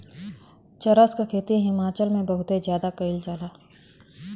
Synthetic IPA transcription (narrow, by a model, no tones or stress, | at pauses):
t͡ʃɐɾəskakʰeːt̪iɦɪmaːt͡ʃəlmẽbɐɦʊt̪ezjaːd̪akɐɪld͡ʒaːlaː